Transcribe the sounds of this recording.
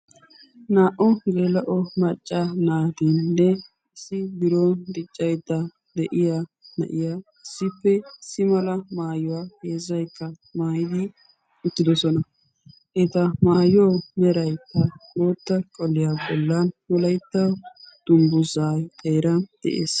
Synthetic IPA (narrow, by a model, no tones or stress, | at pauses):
naːʔɔhlelɐʔɔmɐt͡ʃʼːanaːd̪innːɛ | ɪsɪbɪɾond̪ɪt͡ʃʼːɐjd̪ːɐ | d̪ɛʔɪjanɐ̰ʔɪja | ɪsːɪpːɛɪsɪmɐlɐmaːjɔwaːheːzɐjkːɐ | maːjɪd̪ɪ | ʊt̪ːɪd̪ɔsɔnɐ | ʔɛt̪ɐmaːjoːmɛɾɐjkːɐloːt̪ːɐkʼɔlːɪjaːbɔlːɐnwɔlɐjt̪ːɐwd̪̥ʊmbʊzaːjt̪ʰʼɛːɾɐnd̪̥ɛ̰ʔeːs